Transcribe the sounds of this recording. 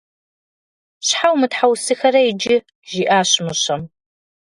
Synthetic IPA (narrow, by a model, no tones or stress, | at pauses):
ɕħawmɨtħawsɨxɐɾɐjɪd͡ʒɪ | ʒiːʔaːɕmɨɕɐm